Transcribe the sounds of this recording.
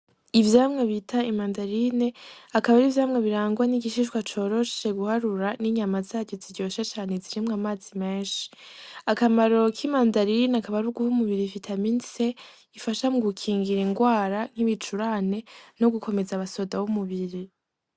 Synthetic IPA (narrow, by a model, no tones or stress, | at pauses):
ivjaːmŋeβitʰaimandaɾine̞akaβaɾivjaːmŋeβiɾaːŋɡwaniɡiʃiʃɡwat͡ʃo̞ɾo̞ʃe̞ɡuhaɾuɾaniɲamazaːɟoziɾɟo̞ːʃet͡ʃaːne̞ziɾimŋaːmaːzime̞ːnʃi̥akamaɾo̞kʰimandaɾinakaβaɾuɡuhumuβiɾifitʰaminse̞ | ifaʃamuɡukʰiːŋɡiɾiŋɡwaːɾan̥hiβit͡ʃuɾaːne̞no̞ɡukʰo̞me̞zaβaso̞dawumuβiɾi